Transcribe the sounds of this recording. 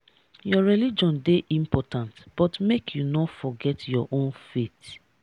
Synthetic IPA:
jɔɹɛlid͡ʒɔ̃ndeʔĩmpɔtãntb̥ɔtmekʰjunɔfɔɡɛtjɔʔõnfet

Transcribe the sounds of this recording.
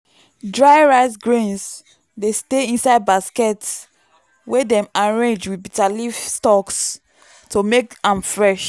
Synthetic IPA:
dɹaɪɹasɡɹĩns | desteĩnsaɪd̚baskɛts | wɛdɛ̃maɹẽnd͡ʒwibitalifstɔks | tʰomekãmfɹɛʃ

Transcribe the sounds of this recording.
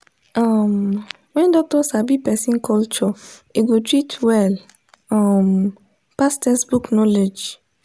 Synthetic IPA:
am | wɛ̃ndɔk̚tɔsabipɛsĩnkɔlt͡ʃɔeɡotɹitʰwɛl | am | pastɛsbuknɔled͡ʒ

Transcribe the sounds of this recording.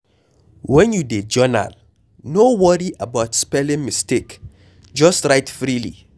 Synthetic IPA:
wɛ̃njuded͡ʒɔna̰l | nowɔɹiʔabaʊtspɛlɪ̃ŋmistek | d͡ʒɔstɹaɪtfɹilḭ

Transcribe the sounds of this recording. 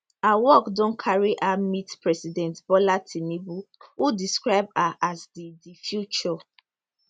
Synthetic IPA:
awɔkdõnkʰaɹiʔamitpɹɛsidɛ̃ntbɔlatʰinibuudiskɹaɪbaʔazdidifjut͡ʃɔ

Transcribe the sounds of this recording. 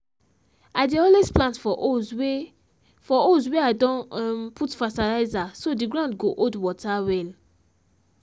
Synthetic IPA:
adeɔlesplãntfɔʔow | fɔozweadɔ̃nmpʰutfatalaɪzasodiɡɹãndɡoʔodwɔtawɛl

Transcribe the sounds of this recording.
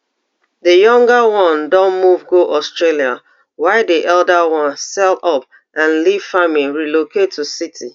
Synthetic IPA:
dəjɔ̃ŋɡawɔ̃ndɔ̃nmuvɡoʔɔstɹelia | waɪdiʔɛldəwɔ̃nsɛldɔp | ʔãnliv̥famiɹilokʰetːusitʰi

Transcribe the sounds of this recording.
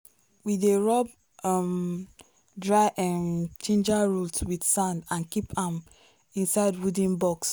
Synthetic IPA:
wideɹɔb̚ | m | dɹaɪʔãnnt͡ʃẽnd͡ʒaɹulswidsãndãnkipʰãm | ĩnsaɪdwudĩnbɔks

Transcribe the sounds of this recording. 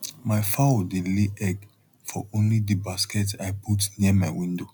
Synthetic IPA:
maɪfaodeleʔɛɡ | fɔõnlidibaskɛtaɪpʰutniəmaɪwĩndo

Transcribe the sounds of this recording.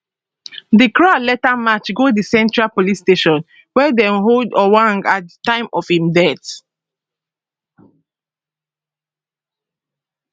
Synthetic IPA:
dikɹalɛtamat͡ʃɡodisɛ̃ntɹalpolisteʃɔ̃n | wɛdɛ̃mɦodɔwãŋɡat̚dətãɪ̃mɔfhĩmdɛt

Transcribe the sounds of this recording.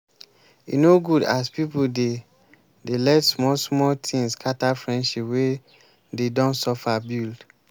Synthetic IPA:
jṵnoɡudaspipude | delɛtsmɔsmɔtʰĩŋskʰatafɹɛ̃nʃipwe | dedɔ̃ntsɔfabild

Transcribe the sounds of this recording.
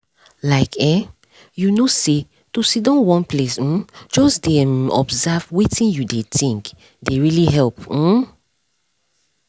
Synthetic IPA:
laɪkɛ̃ | junose | tusidɔ̃nwɔ̃nplesm̩d͡ʒɔsdɛmɔ̰bzavwitĩnjudetʰĩŋk | deɹiliɦɛlp̩

